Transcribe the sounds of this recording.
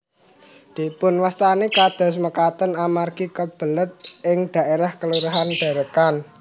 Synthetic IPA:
d̪̥i̤pʊnwast̪anekad̪̥ɔ̤sməkat̪ənamarkikəb̥ə̤lət̪̚ʔɪŋɖ̪̥ä̤eɾahkəluɾuɦanɖ̥a̤ɾəkan

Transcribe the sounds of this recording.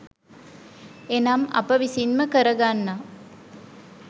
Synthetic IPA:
enamɐ̰pəʋisinməkəɾɐɡanːa

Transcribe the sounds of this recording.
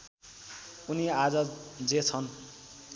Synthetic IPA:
uniad͡zʌd͡zet͡sʰʌn

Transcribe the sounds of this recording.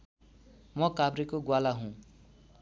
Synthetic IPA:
mʌkabrikoɡwalaɦũ

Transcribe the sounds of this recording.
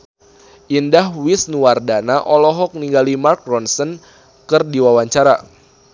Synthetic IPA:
ʔindaɦwisnuwardanaʔɔlɔɦɔk̚niŋɡalimark̚rɔnsən | kɨrdiwawaɲt͡ʃaɾa

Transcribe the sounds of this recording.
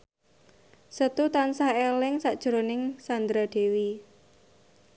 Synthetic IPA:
sət̪ut̪ansahelɪŋsaʔd̥ʒ̥ɾonɪŋsand̪ɾaɖ̪̥e̤wi

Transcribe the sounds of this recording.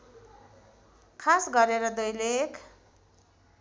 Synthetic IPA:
kʰasɡʌɾeɾʌd̪ʌjlekʰ

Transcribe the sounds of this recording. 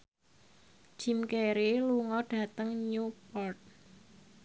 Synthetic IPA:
d͡ʒ̥i̤mkeɾiluŋɔɖ̥a̤t̪əŋɲupɔrt̪̚

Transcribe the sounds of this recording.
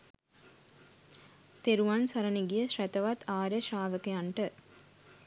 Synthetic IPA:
t̪eɾuʋansɐɾəniɡijəʃɾæt̪əʋat̪ʰaːɾəʃaːʋəkejaɳʈə

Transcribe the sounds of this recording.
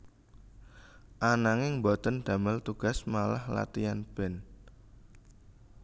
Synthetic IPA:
ʔanaŋɪŋbɔt̪ənd̪̥a̤məlt̪uɡ̥a̤smalahla̰t̪ijanb̥ɛn

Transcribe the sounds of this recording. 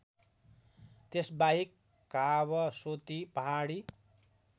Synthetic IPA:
t̪esbaɦikː | aβʌsot̪ipʌɦaɽi

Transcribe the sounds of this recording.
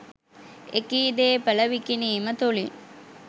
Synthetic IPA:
ekiːd̪eːpələʋikiniːmət̪uli

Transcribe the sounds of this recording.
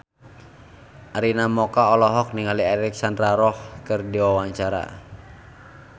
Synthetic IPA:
ʔaɾinamɔkaɔlɔɦɔk̚niŋaliɛɾik̚sandɾaɾɔhkɨrdiwawaɲt͡ʃaɾa̰

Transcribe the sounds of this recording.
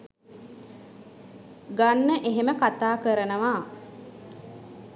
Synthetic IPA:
ɡanːəʔeɦeməkat̪aːkəɾənəʋaː

